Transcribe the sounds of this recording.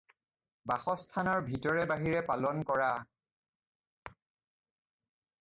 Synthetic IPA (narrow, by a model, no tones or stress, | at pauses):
baxɔstʰanɔɹbʱitɔɹɛbaɦiɹɛpalɔnkɔɹa